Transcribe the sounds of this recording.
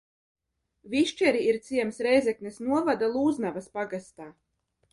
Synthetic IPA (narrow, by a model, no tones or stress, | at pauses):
viʃt͡ʃɛɾiiɾt̪siɛmsɾɛjzɛknɛsnuɔvad̪alˠuːznavaspaɡast̪aː